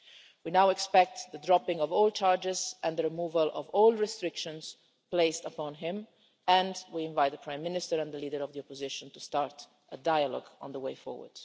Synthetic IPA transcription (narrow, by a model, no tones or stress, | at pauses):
winawɛkspɛk̚t̪ðədɹɔpɪ̃ŋɔvɔːlˠt͡ʃaɹd͡ʒɪzɛ̃nðəɹimuːvəlɔ̰vɔːlˠɹɛstɹɪkʃə̃nz̥ | pleɪstəpɔ̃nɦɪ̃m | ɛ̃ndwiɪ̃ɱvaɪt̪̚ðəpʰɹãɪ̃mːɪnɪstəɹɛ̃nd̪əliːdəɹɔvðiɔpɔzɪʃə̃ntustaɹt | ʔədajəlɔ̰ɡə̰̃nðəweɪfɔ̰ɹwə̰ɹd̥